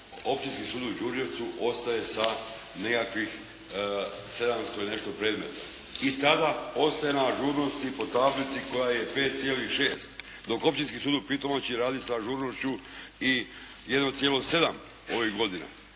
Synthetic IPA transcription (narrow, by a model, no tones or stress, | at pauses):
o̞p̚t͡ʃinskisuːd̪ud͡ʒuɾʒe̞ʋt̪suʔo̞st̪aje̞sa | ne̞kakʋix | se̞d̪amst̪o̞ine̞ʃt̪o̞pɾe̞ːd̪me̞̰t̪a | it̪ad̪ao̞st̪aje̞naʒuːɾno̞st̪ipo̞t̪aflit̪siko̞jaje̞pe̞ːt̪̚t̪sjeːlixʃe̞ːst̪ | d̪o̞ko̞p̚t͡ʃinskisuːd̪upit̪omot͡ɕiɾaːd̪isaʒuɾno̞ʃt͡ɕui | jed̪not̪sjeːlo̞se̞d̪am | o̞ʋiɣɡo̞d̪ina̰